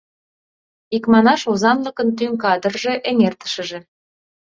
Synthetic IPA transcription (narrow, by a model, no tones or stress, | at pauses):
ikmɑnɑʃozɑnləkənt̪yŋkɑd̪ərʒeʔeŋert̪ə̥ʃə̆ʒĕ